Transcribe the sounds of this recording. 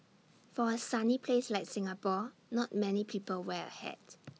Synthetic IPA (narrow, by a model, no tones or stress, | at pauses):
fɔəsanipʰleslaɪk̚sɪ̃ŋapɔnɔt̚mɛnipʰiːpəlwɛə̰hɛ̰d̥